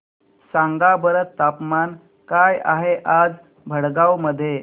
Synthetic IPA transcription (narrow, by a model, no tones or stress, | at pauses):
sãŋɡabəɾət̪ːapman | kaja̰ɦeʔad͡z | bʱəɽɡawməd̪ʱːje